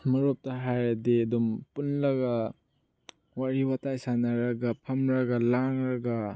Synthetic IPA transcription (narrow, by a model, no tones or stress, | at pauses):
mɐɾop̚tɐɦajɐdiɐdumpunlɐɡɐ | waɾiwatajsanɐɾɐɡɐpʰɐmɾɐɡɐlaŋɾɐɡɐ